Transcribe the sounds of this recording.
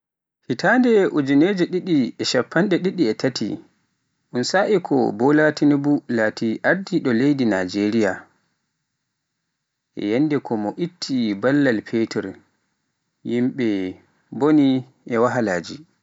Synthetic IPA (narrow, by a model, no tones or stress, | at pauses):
hitandɛʔud͡ʒuneːd͡ʒɛɗiɗiɛʃapʰːanɗɛɗiɗiɛtʰatḭ | ʔunsaʔikʰɔ̰bɔlatinibulaːtiʔaɾdiɗɔlejdinad͡ʒeɾija | ʔɛ̰jɛnːdɛkʰɔmɔʔitʰːibalːalpʰetɛɾ | jimɓɛ | boni | ʔɛwaɦalaːd͡ʒi